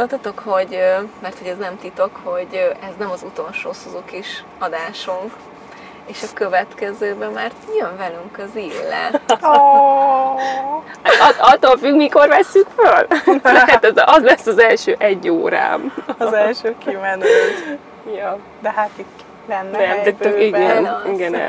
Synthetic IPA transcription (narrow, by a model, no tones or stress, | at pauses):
olt̪ɒt̪o̞kho̞ɟmɛrt̪ho̞ɟɛznɛmt̪it̪o̞kho̞ɟʔɛznɛmɒzut̪o̞lʃoːsuzokiʃ | ɒd̪aːʃoŋk | eːʃɒkø̞vɛt̪kɛzøːbɛmaːrjøɱvɛlyŋkɒziːlːɛ̰ | hat̪ɒɒt̪ːoːlfyɡmiko̞rʋɛsːykføldɛhæt̪ɛzʔɒzlɛsːɒzɛlʃøːʔɛɟːoːɾa̰ːmzɛlʃøːkimɛnøːt̪ | jo | d̪ɛɦat̪i | lɛnːɛɛmt̪ɛt̪ːyiɛniɡɛnɛ̰